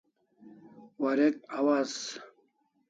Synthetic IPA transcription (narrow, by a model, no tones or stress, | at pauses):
waɾekawaz